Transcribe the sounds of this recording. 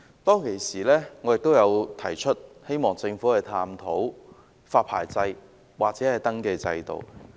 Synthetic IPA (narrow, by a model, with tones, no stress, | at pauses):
t̪ɔː˥ŋkʰe˨˩jsiː˨˩lɛː˥ŋɔː˨˧jɪ˨k̚t̪o˥wjɐ˨˧wt̪ʰɐ̰˨˩jt͡ʃʰɵ˥t̚he˥jmɔː˨˩ŋt͡sɪ˧ŋfuː˨˥hɐ˨jt̪ʰaː˧mt̪ʰo˨˥w | faː˧t̚pʰa̰ː˨˩jt͡sɐ˧j | waː˨k̚t͡sɛː˨˦hɐ˨jt̪ɐ˥ŋke˧t͡sɐ̰˧jt̪o̰˨˩w